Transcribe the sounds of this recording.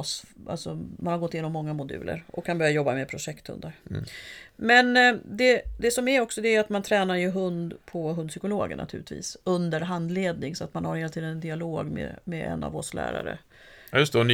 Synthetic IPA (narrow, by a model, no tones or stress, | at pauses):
sa̰lsɔmanhaɾɡɔt̪ːjenɔmːɔŋːamʊd̪ʉ̟̰ːlʔə̰ɾɔkʰːanbœɾjajɔbːamed̪pʰɾʊʂɛkt̪hɵ̰nd̪aɾ | mɛnd̪ɛd̪ɛsɔmæɾɔksɔd̪ɛæɾat̪mant̪ʰɾɛːnaɾjɵɦɵnd̪pʰɔɦɵnd̪sʏkʊloːɡə̰ɳʔa̰t̪ʰʉ̟ːlɪt̪ʰvḭːsɵnd̪əɾɦand̪leːd̪nɪŋsɔat̪manhaɾheːlat̪ʰiːd̪ənɛnd̪ɪaloːɡmɛ̰mɛɛ̰na̰vɔslæ̰ːɾa̰ɾə̰ | jɵst̪ɛn